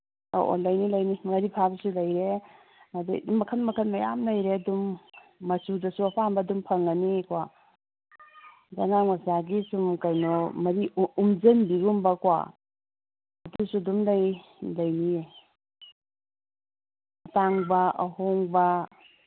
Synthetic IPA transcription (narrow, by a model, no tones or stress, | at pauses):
o̰ʔo̰lɐjnilɐjnimɐɾipʰabsulɐjɾe | madimɐkʰɐnmɐkʰɐnmaja̰mlɐjɾeɐdumːɐsudɐsuɐpʰambɐdumpʰɐŋanikwa | zaŋaŋasaɡisumkajnɔmɐɾiumzenbiɡumbɐkwa̰ | ɐdusudumlaj | lɐjnie | ɐtaŋbɐɐ̰hoŋbɐ